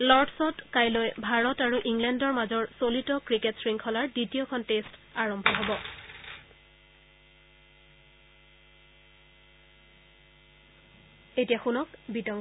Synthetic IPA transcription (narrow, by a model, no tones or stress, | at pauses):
lɔɹdsɔtkajlojbʱaɹɔtaɹuʔiŋlɛndɔɹmazɔɹsolitɔkɹiketsɹiŋkʰɔlaɹditijɔkʰɔntestaɹɔmbʱɔɦobɔ | etijaxunɔkbitɔŋ